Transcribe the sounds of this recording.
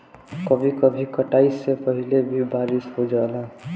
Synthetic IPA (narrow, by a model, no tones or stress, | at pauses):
kəbʱikəbʱikəʈaɪsːepəɦilebʱibaɾisɦod͡ʒalã